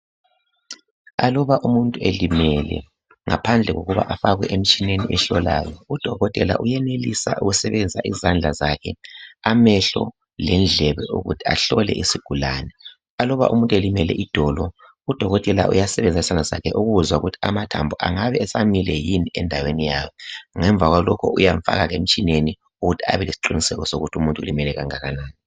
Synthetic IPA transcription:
alɔβaʔumuntʼuelimɛlɛ̰ | ŋa̰pʰand͡ɮʱɛɣo̰ɣuβa̰ʔafaɣwɛʔem̩t͡ʃʼineniʔɛɬɔla̰ːjɔud̥ʱɔɣɔtʼɛla̰ʔujɛnelisa̰ʔṵɣusɛβɛnd͡zʱaʔizand͡ɮʱazakʰɛamɛɬɔ̰ | lɛnd͡ɮʱɛβɛʔṵɣṵtʰi̥a̰ɬɔlɛ̰ʔisiɡ̥ʱulanɛ | alɔβa̰ʔṵmuntʼuelimɛlɛ̰ʔid̥ʱɔːlɔ | ud̥ʱɔɣɔtʼɛla̰ʔṵjasɛβɛnd͡zʱaizand͡ɮʱaza̰kʰɛʔuɣuuzwauɣutʰi̥amatʰa̰mbʱɔʔaŋaβɛɛsamilɛjiniɛndʱawenijaːjɔŋɛɱb̪vʱaɣwalɔkʰɔujaɱfa̰ɣaɣem̩t͡ʃʼineni | uɣutʰia̰βɛlesi̥ǃinisɛɣɔsoɣutʰiumuntʼulimɛlɛɣaŋaɣanaːni

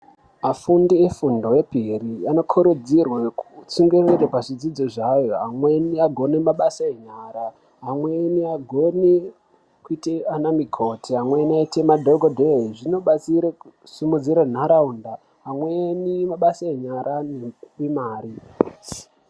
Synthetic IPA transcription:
mafundiefundo̞wepiriano̞kʰoɾud͡zirwekut͡suŋɡereɾepaʐid͡zid͡zoʐajo̞ɦamweniaɡʱo̞nemaɓasaeɲaːɾa | ɦamweniaɡʱoni | kuiteanamikʰo̞tʰiɦamwenaitemadʱoɡʱodʱeʐino̞ɓat͡siɾe | sumud͡ziɾan̤aɾaunda | ɦamwenimaɓasaeɲaɾʔanewimaːɾi

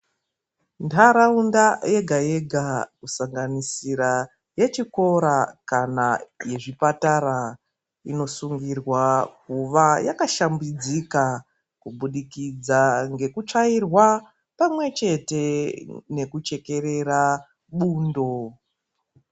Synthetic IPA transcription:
ndaɾaundaje̞ɡʱaje̞ɡʱakusaŋɡanisiɾa | je̞t͡ʃiko̞ɾakanaje̞ʐipataɾa | ḭno̞suŋɡirwakuʋajakaʃambid͡zika | kuɓuɗikid͡zaŋɡe̞kut͡ʂairwa | pamwe̞t͡ʃe̞te̞ne̞kut͡ʃe̞ke̞ɾe̞ra | ɓuːndo̞

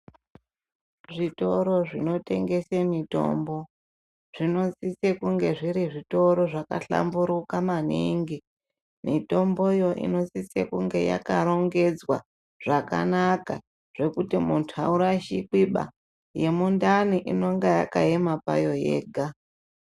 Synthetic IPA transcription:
ʐito̞ɾo̞ʐino̞te̞ŋɡe̞semito̞̰mbo | ʐ̥ino̞t͡sit͡sekuŋɡe̞ʐiɾiʐito̞ɾo̞ʐaka̰ɬa̰mbuɾukamaniŋɡi | mito̞mbojo̞ʔḭno̞t͡sit͡sḛkuŋɡe̞ja̰kaɾo̞ŋɡe̞d͡zwa̰ | ʐ̥aka̰naka | ʐ̥e̞kutimuntʰuauɾaʃikiɓa̰ | je̞mundaniʔino̞ŋɡaja̰kaemapa̰jo̞jḛːɡʱa

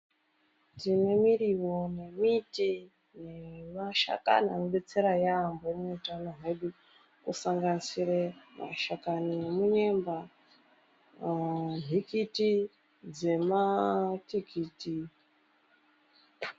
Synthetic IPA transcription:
tinemiriwo̞ne̞miti | ne̞maʃa̰ka̰na̰nuɓet͡seɾajambometanoɦaiɗi | kusaŋɡanisirema̰ʃakanemuɲemba | n̤ʱikiti | d͡ze̞matikiːti

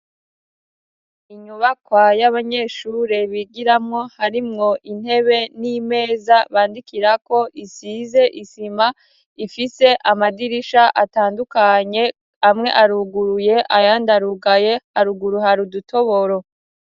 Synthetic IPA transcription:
iɲuβakwajaβaɲe̞ːʃuɾe̞βiɡiɾamŋo̞haɾimŋo̞ʔin̥he̞βe̞niːme̞ːzaβaːndikiɾako̞ʔisize̞ʔisima | ifise̞ʔamadiɾiʃaʔataːndukaɲe̞ | amŋe̞ʔaɾuɡuɾuje̞ʔajaːndaɾuɡaje̞aɾuɡuɾuɦaɾudutʰo̞βoɾo̞

